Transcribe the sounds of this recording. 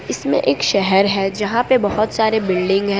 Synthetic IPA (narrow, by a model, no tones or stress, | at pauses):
ɪsmḛ̃ʔeːkʃɛɦɛɾɦɛːd͡ʒɐɦãpebɐɦʊt̪saːɾebɪlɖɪ̃ŋɡɦɛ̃